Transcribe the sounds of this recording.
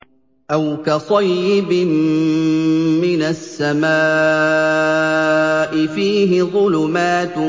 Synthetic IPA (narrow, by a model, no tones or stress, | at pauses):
ʔawkasˤɑjːɪbɪm | ɪnasːamaː | ʔɪfiːɦɪðˤʊlʊmaːt̪